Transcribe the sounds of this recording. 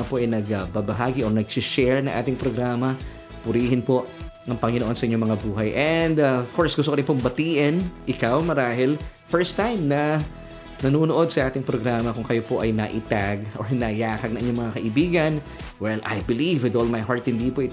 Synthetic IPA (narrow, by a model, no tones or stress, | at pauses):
ɐpoʔɐjnɐɡɐbabɐɦaːɡɪʔonɐɡsɪʃɛɹnɐŋʔa̰ːt̪ɪŋpɾoɡɾaːmɐ | pʊɾiːhɪnpo̞ʔɐŋpɐŋɪnoʔo̞nsɐʔɪɲːomɐŋabuːɦɐjʔɛnd̪aov̥koɹsɡʊst̪okɐɾɪnpombɐt̪iːʔɪnʔɪkawmɐɾaːɦɪl | fɛɹst̪ːãjmnɐ | nɐnuːnoʔo̞d̪̚sɐʔaːt̪ɪŋpɾoɡɾaːmɐkʊŋkɐjopo̞ʔɐjnɐʔɪt̪aɡʔoɹnɐjaːkɐɡ̚nɐŋʔɪɲomɐŋakɐʔɪbiːɡɐn | wɛlʔa̰jbɪlivwɪd̪oːlmajɦaɹt̪hɪnd̪ipoʔɪ